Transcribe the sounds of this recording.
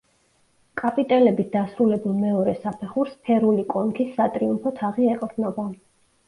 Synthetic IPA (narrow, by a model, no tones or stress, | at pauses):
kʼapʼit̪ʼɛlɛbisd̪asɾulɛbulˠmɛɔɾɛsapʰɛχuɾspʰɛɾulikʼɔnkʰisːat̪ʼɾiumpʰɔt̪ʰaʁiɛqʼvd̪nɔba